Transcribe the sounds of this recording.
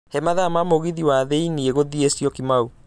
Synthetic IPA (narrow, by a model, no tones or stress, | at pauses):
hɛmaðamamoɣiðiwaðeinieɣoðiesjɔkimau